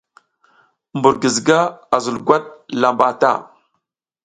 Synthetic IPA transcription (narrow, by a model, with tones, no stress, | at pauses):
mbu˨ɾɡə˨zɡa˦a˨zə˨lɡʷa˦t̚la˨mba˨ta̰˦˨